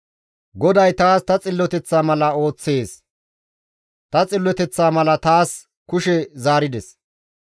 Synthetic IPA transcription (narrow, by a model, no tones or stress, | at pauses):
ɡɔd̪ɐjt̪aːst̪ɐt͡sʼɪlːɔt̪ɛt͡sːaːmɐlɐo̞ːt͡sːe̞ːs | t̪ɐt͡sʼɪlːɔt̪ɛt͡sːaːmɐlɐt̪aːs | kʊʃɛzaːɾɪd̪ɛs